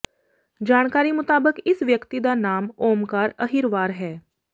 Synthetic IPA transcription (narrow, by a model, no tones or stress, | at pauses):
d͡ʒaːɽ̃kaːɾimʊt̪aːbəkɪsʋjəkt̪id̪anaːmoːmkaːɾəɦiɾʋaːɾɦɛː